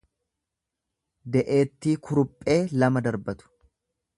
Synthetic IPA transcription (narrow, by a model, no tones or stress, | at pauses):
d̪ɛʔe̞ːt̪ːiːkʰʊɾʊpʼːe̞ːlɐmɐd̪ɐɾbɐt̪ʊ̥